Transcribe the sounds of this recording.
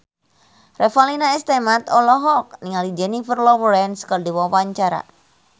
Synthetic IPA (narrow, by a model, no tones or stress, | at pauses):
rʔɛfalinaɛst̪ɛmat̪ɔlɔɦɔk̚niŋalid͡ʒɛnifərlɔwɾɛnskərdiwɔwaɲt͡ʃaɾa̰